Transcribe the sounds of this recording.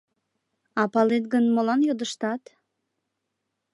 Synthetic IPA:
ɑpɑlet̪̚ɡənmolɑnjod̪əʃt̪ɑt̪

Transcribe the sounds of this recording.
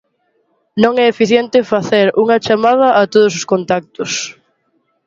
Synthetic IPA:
nõŋɛefiθjɛnt̪ɪfaθeɾuŋɐt͡ʃamað̞ɐʔːt̪oð̞ʊsʊskont̪ak̚t̪ʊs

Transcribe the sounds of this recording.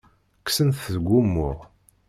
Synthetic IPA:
ksənθəðɡʷːumːʊʁ

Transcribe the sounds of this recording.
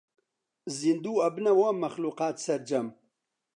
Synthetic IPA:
zind̪uːɐbnɐwamɐxluːqaːt̪sɐɾd͡ʒɐm

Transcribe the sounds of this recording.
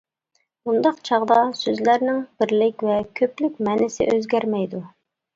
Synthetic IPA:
bund̪ɑqt͡ʃʰɑʁd̪ɑsøzlæɾnɪŋbɪɾlɪkʲvɛkʲʰøplykʲmɛnɪsɪ̰ʔøzɡʲæɾmɛjd̪u

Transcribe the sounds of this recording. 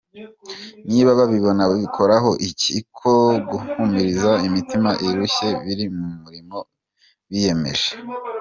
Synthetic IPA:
niːβaβaβiβo̞naβoβikʰo̞ɾaɦo̞ʔicikʰoɡuhumiɾizaimitimaʔiɾuçe̞βiɾimuumuɾimo̞ | βije̞me̞̰ʒe̥

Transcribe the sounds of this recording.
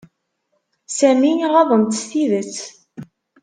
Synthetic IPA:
sæmiʁɑðˤənt̪sθiðət͡sː

